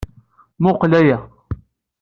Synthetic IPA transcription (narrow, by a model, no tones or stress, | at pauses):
mʊqlæjæ